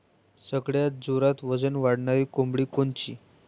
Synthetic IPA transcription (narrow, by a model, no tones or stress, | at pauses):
səɡɭjat̪̚d͡zoɾat̪ʋəd͡zənʋaɽɳaɾiːkombɽiːkont͡ɕḭː